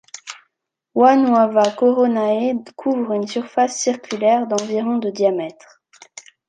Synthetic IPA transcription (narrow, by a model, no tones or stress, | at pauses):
wanwavakɔʁɔnaekʰuvʁynsyʁfasːiʁkʲylɛʁd̪ɑ̃viʁɔ̃d̪əd̪jamɛt̪χ